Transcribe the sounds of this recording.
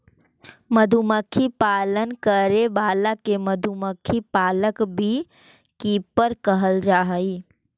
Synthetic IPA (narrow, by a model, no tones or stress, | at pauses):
məd̪ʱuməkʰːipaːlənkəɾebaːlakeməd̪ʱuməkʰːipaːləkbʱi | kipəɾkəɦəld͡ʒaːɦəi